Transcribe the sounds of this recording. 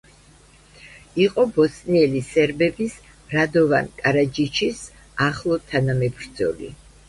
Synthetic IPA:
iqʼɔbɔsniɛlisɛɾbɛbis | ɾad̪ɔva̰nkʼaɾad͡ʒit͡ʃʰis | aχlˠɔt̪ʰanamɛbɾd̪zɔ̰lḭ

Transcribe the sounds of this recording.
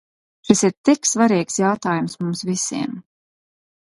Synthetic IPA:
ʃisiɾt̪iksvaɾiːksjawt̪aːjumsmumsvisiɛm

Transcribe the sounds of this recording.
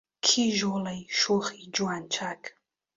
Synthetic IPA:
kʰiʒɔlajʃuχid͡ʒuant͡ʃʰakʼ

